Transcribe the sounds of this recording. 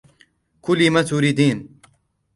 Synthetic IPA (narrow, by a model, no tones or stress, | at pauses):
kʰuliːmɐt͡suːɾid̪iːn